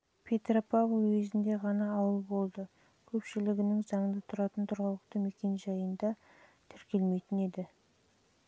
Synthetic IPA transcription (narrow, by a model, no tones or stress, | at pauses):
pʰe̞t̪ropʰavowezɪnd̪e̞ʁɑnɑːwəlˠbo̞lˠd̪ə | kʲʰɵpʃɪlɪɡʲɪnɪŋzɑŋnət̪ʰʊɾɑt̪ənt̪ʰʊɾʁəlˠəqt̪əme̞kʲe̞nʒɑjənd̪ɑ | t̪ʰʏɾkʲe̞lme̞jt̪ɪne̞d̪ɪ